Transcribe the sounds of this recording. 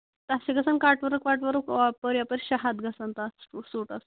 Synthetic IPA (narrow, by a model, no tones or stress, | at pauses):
t̪asiɡəsankaʈʋəɾəkʋaʈʋəɾukapəɾjapəɾɕɐɦad̪ɡəsant̪assuʈas